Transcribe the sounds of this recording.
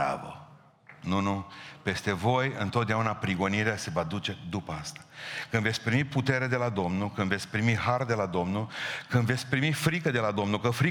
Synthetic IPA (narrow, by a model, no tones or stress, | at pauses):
a̰və̰ | nunupe̞st̪e̞vo̞jɨnt̪ot̪d̪eaunapɾiɡo̞niɾease̞vəad̪ut͡ʃe̞d̪upəast̪ḁkɨnve̞t̪sʲpɾimiput̪e̞ɾed̪e̞lad̪o̞mnulkɨnve̞t̪sʲpɾimiɦard̪e̞lad̪o̞mnulkɨnve̞t̪sʲpɾimifɾikəd̪e̞lad̪o̞mnulkəfɾi